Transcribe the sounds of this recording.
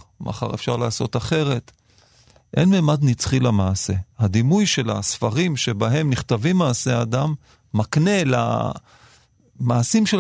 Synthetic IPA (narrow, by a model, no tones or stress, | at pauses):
ma̰χa̰ʁefʃaʁlaːso̞̰t̪aχe̞ʁe̞t̪ | ʔḛnmeːmad̪nit͡sχilamaːse̞had̪imujʃe̞la̰sfaʁimʃe̞baɦe̞mniχt̪avimːaːsead̪amː | akne̞la̰ | maːsimʃe